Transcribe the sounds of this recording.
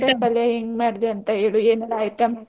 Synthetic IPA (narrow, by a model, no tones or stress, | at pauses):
ebɐleɦiŋɡmaːɽid̪eɐnt̪ɐɦeːɭueːnɐlːjʈɐma